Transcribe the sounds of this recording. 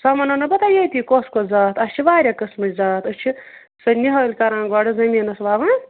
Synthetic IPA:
sɐmɐnɐnɐbɐt̪ajeːt̪ʲikoːskozaːt̪ɐsʲt͡ʃʰiʋaːɾʲɐkɐsmɐt͡ʃʲzaːt̪ɐst͡ʃʰi | sɐnʲːiɦɐːlʲkɐɾãːnɡaːɽɐzɐmʲinɐsʋaːʋɐn

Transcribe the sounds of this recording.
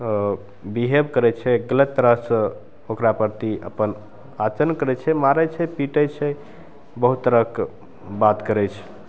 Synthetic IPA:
biɦebkəɾɛt͡ʃʰɛɡələt̪ːəɾəɦsə̃ | okɾapəɾt̪iə̰pən | at͡ʃənkəɾɛt͡ʃʰɛmaɾət͡ʃʰɛpiʈət͡ʃʰɛ | bəɦut̪ːəɾək | bat̪kəɾɛt͡ʃʰ

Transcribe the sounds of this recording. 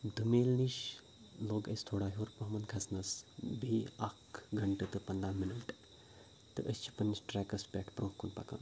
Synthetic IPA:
d̪umelniʃ | loːɡɐ̰st̪ʰoːɽaɦoɾpɐɦɐmɐnkʰɐsnɐsbʱiakɡʱɐɳʈɨt̪ɨpɐnd̪aːminɐʈ | t̪ɨʔəst͡ʃʰi̥pɐnt͡ʃʈɾɛkɐspʲɛʈʰpɾõːkunpɐ̰ka̰n

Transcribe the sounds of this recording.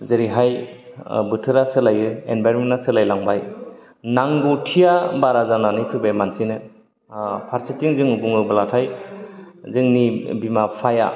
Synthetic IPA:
zɯɾiɦaj | bɯtʰɯɾasɯlajɯḛnbʱajɾmenasɯlajlaŋbaj | naŋɡutʰijabaɾazananipʰɯbajmansinɯ | pʰaɾsitiŋzɯŋubuŋɯbɯlatʰaj | zɯŋnibimapʰaja̰

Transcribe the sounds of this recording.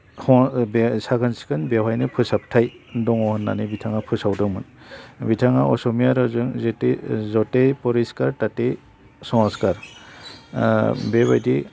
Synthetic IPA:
hɔbesaɡʰansi̥kɯnbewajnɯpʰɯsap̚tʰajdɔŋɔhɯnːa̰nibitʰaŋapʰɯsawdɯŋmɯnbitʰaŋa̰ɔsɔmijaɾɔzɯŋzetizɔtepɔɾiskaɾtate | sɔŋskaɾ | beβa̰jdi

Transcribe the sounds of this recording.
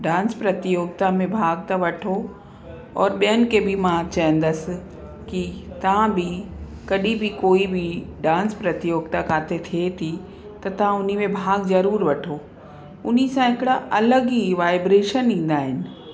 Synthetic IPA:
ɖãːnspɾɐt̪ijoːɡ̚t̪amẽbʱaːɡ̚t̪ɐʋɐʈʰo | ɔːɾɓijənɪ̆kebʱimãt͡ɕaɦə̃n̆d̪əs | kit̪ɐʋ̤ãbʱɪkɐɗibʱikoːibʱɪɖãːnspɾɐt̪ɪjoːɡ̚t̪akaːt̪ʰet̪ʰiet̪ʰi | t̪ɐt̪ɐʋ̤ãʊn̤imẽbʱaːɡzɐɾuːɾʋɐʈʰo | ʊnisãɦɪkɪɽaʔɐləɡiʋaːɪbɾeːʃənɗĩːn̆d̪aːɦɪnɪ̆

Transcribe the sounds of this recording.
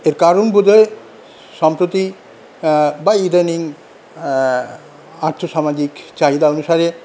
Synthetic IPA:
eɾkaɾonbud̪ʱae | ʃɔmpɾot̪i | baid̪eniŋ | aɾt̪ʰoʃamad͡ʑikt͡ɕaɦid̪aonuʃaɾe

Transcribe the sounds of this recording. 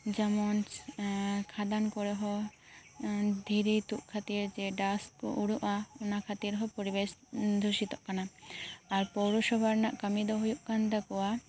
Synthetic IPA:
d͡ʒamɔnt͡ʃ | kʰad̪ankɔɾɛɦɔ | d̪ʱiɾet̪uʔkʰat̪iɾd͡ʒɛɖaskɔʔuɽuʔaɔnakʰat̪iɾɦɔpɔɾibesd̪ʱuʃit̪ɔʔkanaː | ɾpɔɽuʃɔbʱaɾnaʔkəmid̪ɔɦujuʔkand̪akɔwa

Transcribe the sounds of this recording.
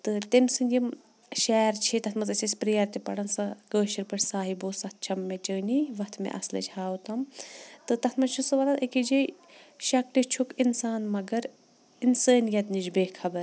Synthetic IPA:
t̪ɨt̪emsɨnʲɡʲim | ʃɛːɾt͡ʃʰit̪ɐt̪ʰmɐzɐt͡ʃʲʰisʲpɾijɐɾt̪ipɐ̰ɽɐnsɐkəːʃiɾpɐɾʲsaːɦibosɐt̪̚ʰt͡ʃʰɐmːet͡ʃəːnʲiʋɐt̪ʰmḛʔɐ̰slɐ̰t͡ʃʰhaːut̪ɐmt̪ɨt̪ɐt̪ʰmɐnt͡ʃʰusɨʋɐlɐʔekid͡ʒi | ʃɐkʈit͡ʃʰukinsaːnmɐɡɐɾ | insəːnijɐt̪nid͡ʒbeːkʰɐbɐɾ

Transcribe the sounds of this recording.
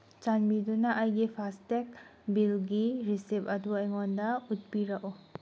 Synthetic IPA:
t͡ʃanbidunaʔajɡipʰastek̚bilɡiɾisepɐduajŋɔndaut̚biɾaʔɔ

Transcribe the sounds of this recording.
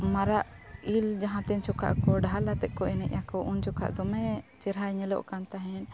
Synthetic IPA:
maɾaʔ | ild͡ʒaɦãt̪ɛɲt͡ʃɔkʰa̰ʔkɔɖaɦalat̪ɛʔ̪̚ˀkɔɛnɛʔjakɔʔunt͡ʃɔkʰa̰ʔd̪ɔmɛt͡ʃɛɾɦaɲɛlɔ̰ʔkant̪aɦɛn

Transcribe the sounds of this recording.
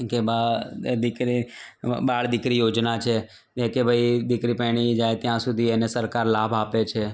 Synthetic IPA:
kebad̪ɪkɾibaːɭd̪ɪkɾijoːd͡ʒnat͡ʃʰeː | eːkebʱəid̪ɪkɾipɛːɽ̃id͡ʒaːet̪ɪjãsʊd̪ʱiɛːnesəɾkaːɾlaːbʱaːpet͡ʃʰeː

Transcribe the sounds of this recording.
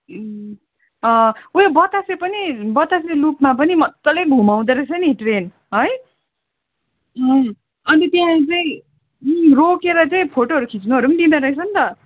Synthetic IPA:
ʌ̃uebʌt̪asepʌnibʌt̪aselupmap̬ʌnimʌt̪ːʌlebʱumaw̃d̪eɾʌsʰʌniʈren | ɦʌj | ʌ | ʌnit̪jãt͡sʌĩ | rokeɾʌt͡saĩpʰoʈoʌɾukʰit͡snuɦʌɾupʌnid̪inʌɾʌɦet͡sʰʌnt̪ʌ

